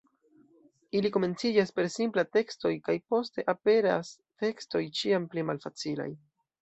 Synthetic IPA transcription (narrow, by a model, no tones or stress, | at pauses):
iliko̞me̞nt͡sid͡ʒaspe̞ɾsimplate̞ksto̞jkajpo̞ste̞̰ʔape̞ɾa̰s | te̞ksto̞jt͡ʃiamplimalfat͡sila̰j